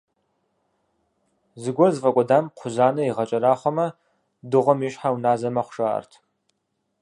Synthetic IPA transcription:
zɨɡʷɔrzfʼɐkʷʼɔdaːmqʷʰʊzaːnɐiʁɐt͡ʃʼɐɾaːχʷɔmɐ | dɨʁʷɔmiːʃħawnaːzɐmɐχʷʂaɐ̰rtʰ

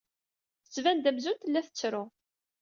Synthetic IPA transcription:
θə̥t͡sːvænd̪æmzunt̪lːæθə̥t͡sːɾʊ

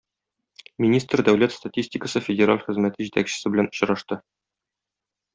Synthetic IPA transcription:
mʲinʲist̪rd̪æwlæt̪st̪atʲisʲtʲɪkəsɤfʲɪdʲɪɾa̰lʲχɘ̆zmæt̪ɘʑit̪ækɕɘ̥̆sɘbɘ̆lænŏ̥ɕɾɑʃt̪ɤ

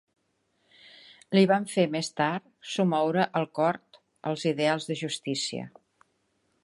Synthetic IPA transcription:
liβaɱfemest̪aɾt̪sumɔwɾəʔəlˠkɔɾt̪ | ə̰lˠziðealˠzðəʒust̪isiə̰

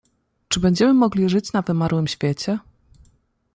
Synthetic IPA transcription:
t͡ʂɘbɛɲd͡ʑɛmɘmɔɡlʲiʐɘt͡ɕnavɘmaɾwɘmɕfʲjet͡ɕɛ

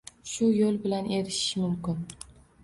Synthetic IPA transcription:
ʃʊjolˠbɪlane̞ɾɪʃɪmʊmkʲɪn

